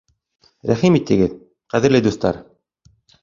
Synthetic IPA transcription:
ɾæχimit̪ːɘ̆ɡɘð | qæðɘ̆ɾlɘd̪ust̪ɑ̰ɾ

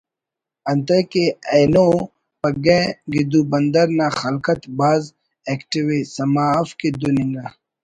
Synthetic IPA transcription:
ɐnt̪ɐkeɐjno | pɐɡeɡid̪ubɐnd̪ɐɾnaxɐlkɐt̪baːz | ekʈiwisɐmafked̪uniŋɡa

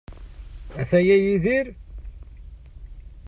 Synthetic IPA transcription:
æθæjæjiðiɾ

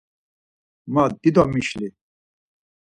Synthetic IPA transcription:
maːd̪id̪amiɕle

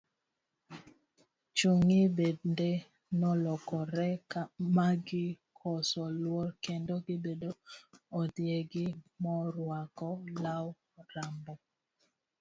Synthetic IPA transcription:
t͡ʃuŋibende | nɔlɔkɔɾɛkamaɡɪ | kʰɔsɔlwɔɾkendɔɡɪbedoɔdjeɡɪmɔɾwakɔlaw | ɾambɔ

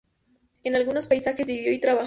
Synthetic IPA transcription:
enalɣuno̞spajsaxe̞zβiβjo̞it̪ɾaβa

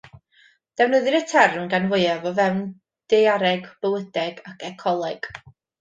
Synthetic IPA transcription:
d̥ɛwnəðɨɾətʰɛrmɡanwʊɨavɔvɛwn | d̥ejaɾɛɡb̥əlˠədɛɡakʰɛkʰɔlˠɛɡ̥

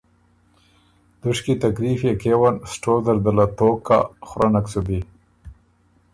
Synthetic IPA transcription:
d̪̥ʊʂkit̪akɾifjekewansʈoːzaɾd̪alat̪oːka̰xɾʔanaksubi

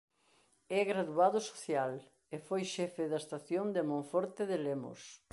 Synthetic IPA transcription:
ɛɣɾaðuaðʊso̥θjal | efojʃɛfɪðɐst̪aθjond̪emõɱfɔɾt̪eðelemʊ̰s

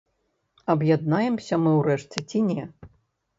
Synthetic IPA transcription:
ɐbjad̪najɛmsʲɐmɨwrɛʂt͡sʲɛt͡sʲinʲɛ

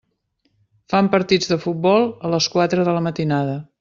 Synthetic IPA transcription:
fampəɾt̪id͡zðəfut̪̚bɔlˠələskwat̪ɾəðələmət̪inaðə

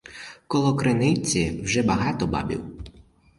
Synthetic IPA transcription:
kɔlˠɔkɾenɪt͡sʲiwʒɛbɐɦɑt̪ɔbɑ̰bʲḭw

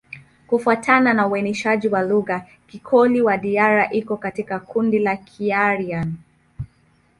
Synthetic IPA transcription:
kufuatʰananauwɛnɛʃaʄiwaluɣa | kikʰɔliwaɗiaɾaʔikɔkatikakundilakʰiaɾian

